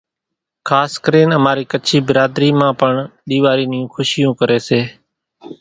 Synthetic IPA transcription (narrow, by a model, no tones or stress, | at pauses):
kʰaːskəɾeːnəmaːɾiːkət͡ʃʰiːbɪɾaːd̪ɾiːmãːpəɳɗiːʋaːɾiːnɪjũːxʊʃɪjũːkəɾeːseː